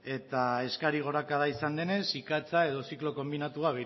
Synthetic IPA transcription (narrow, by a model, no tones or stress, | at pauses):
e̞t̪ae̞skaɾiɣ̞o̞ɾakað̞aisand̪e̞ne̞sikat͡sae̞ð̞o̞siklo̞ko̞mbinat̪uaβe